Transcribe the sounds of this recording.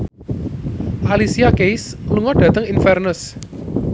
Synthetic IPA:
ʔalisiakejsluŋɔɖ̥ä̤t̪əŋinfɛrnʊs

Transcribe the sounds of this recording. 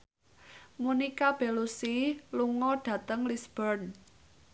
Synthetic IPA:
munikab̥e̤lusiluŋɔɖ̥ä̤t̪əŋlisb̥ərn

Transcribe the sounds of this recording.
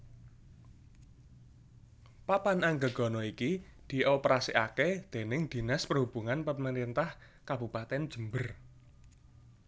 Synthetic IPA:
papanaŋɡə̤ɡ̥ɔ̤nɔikid̪̥i̤ʔɔpəɾasiʔaked̪̥e̤nɪŋd̪̥i̤naspərhub̥uŋanpəməɾint̪ah | kabṳpat̪ɛnd̥ʒ̥ə̤mbər

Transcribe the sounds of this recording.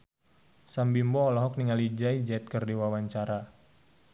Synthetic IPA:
sambimbɔːlɔɦɔk̚niŋalid͡ʒaid͡ʒɛt̪̚kərdiwawaɲt͡ʃaɾa

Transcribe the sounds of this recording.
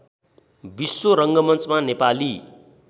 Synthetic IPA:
bisːoɾʌŋɡʌmʌnt͡smanepali

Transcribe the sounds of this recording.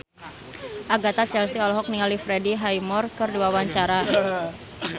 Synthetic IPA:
ʔaɡat̪at͡ʃɛlsiɔlɔɦɔk̚niŋalifɾediɦajmɔrkərduawaɲt͡ʃaɾa

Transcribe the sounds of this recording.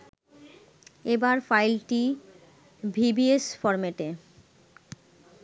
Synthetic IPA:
ebaɾfajlʈi | bʱibiesfɔɾmeʈe

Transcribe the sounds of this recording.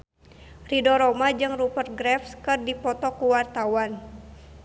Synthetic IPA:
ridɔɾɔmad͡ʒɨŋrupər̚ɡɾɛfskɨrdipɔt̪ɔkuwart̪awan

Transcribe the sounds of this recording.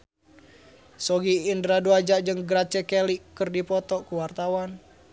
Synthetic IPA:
sɔɡiːndɾaduad͡ʒad͡ʒɨŋɡɾat͡ʃɛkɛlikɨrdipɔt̪ɔkuwart̪awan

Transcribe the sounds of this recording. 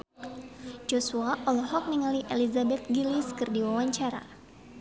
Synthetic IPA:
d͡ʒɔsuaʔɔlɔhɔk̚niŋaliʔelizabɛt̪̚ɡiliskɨrdiwawaɲt͡ʃaɾa̰

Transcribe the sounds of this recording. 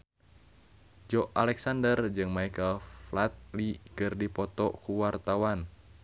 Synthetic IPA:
d͡ʒɔʔalɛksandərd͡ʒɨŋmaikəlflat̪̚likɨrdipɔt̪ɔkuwart̪awan

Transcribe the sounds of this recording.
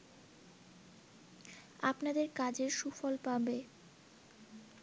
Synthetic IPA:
apnad̪eɾkad͡ʑeɾʃufɔlpabe

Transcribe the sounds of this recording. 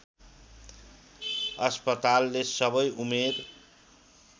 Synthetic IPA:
ʌspʌt̪alːesʌbʌjumed̪

